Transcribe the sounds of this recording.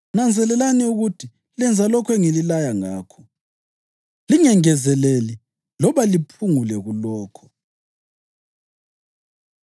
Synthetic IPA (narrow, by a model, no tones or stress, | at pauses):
nand͡zʱɛlɛlanɛuɣutʰi | lɛnd͡zʱalɔkʰwɛŋililajaŋaːkʰɔ̥ | liŋɛŋɛzɛleli | lɔβalipʰuŋulɛɣulɔːkʰɔ̥